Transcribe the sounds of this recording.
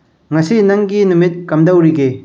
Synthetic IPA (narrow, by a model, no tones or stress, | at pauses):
ŋɐsinɐŋɡinumit̚kɐmdɐwɾiɡe